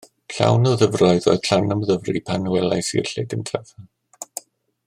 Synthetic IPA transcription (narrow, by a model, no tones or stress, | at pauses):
ɬa̰wnɔðəvrɔɨðo̰ːɨð̥ɬanamðəvripʰanəwɛlˠajsḭrɬɪdəntʰava